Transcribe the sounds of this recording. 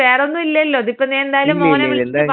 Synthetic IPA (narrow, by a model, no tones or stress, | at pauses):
eːreonːuilːɐjɐlːo̞ːɐðipːoneend̪aːjɐlumːoːnɐiɭ